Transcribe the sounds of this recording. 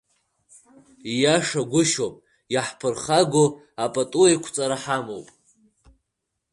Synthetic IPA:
ijaʂaɡʷʊʃopʼ | jaħpʰɨrχaɡʷo | apʼatʼuajkʷʰt͡sʼaɾaħamowpʼ

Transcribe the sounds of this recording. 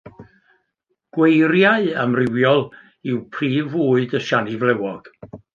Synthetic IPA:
ɡ̥wejɾjaɨəmrɪwjɔlˠ | ɪwpʰriːvuːɨdəʃanivlɛwɔɡ̥

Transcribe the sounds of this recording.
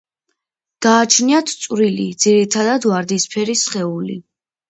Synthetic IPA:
d̪̥aːt͡ʃʰniat̪ʰt̪sʼwɾilḭd̪z̥iɾit̪ʰad̪ad̪waɾd̪ispʰɛɾisχɛulḭ

